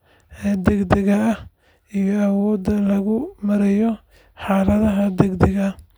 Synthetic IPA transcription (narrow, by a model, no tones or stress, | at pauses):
ɛd̪ɛɡd̪ɛɣɐːh | ijɔɐwɔːd̪ɐlɐɣʊmɐɾɛjɔ | ħɑːlɐðɐɦɐd̪ɛɡd̪ɛɣɐ